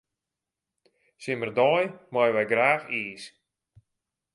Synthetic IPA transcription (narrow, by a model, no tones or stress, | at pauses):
sɪmərdɔjmɔjʋɛjɡraːxiːs